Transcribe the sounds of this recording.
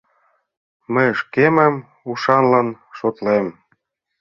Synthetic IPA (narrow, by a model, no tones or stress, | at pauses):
məjʃkemæm | uʃɑnlɑnʃot̪lem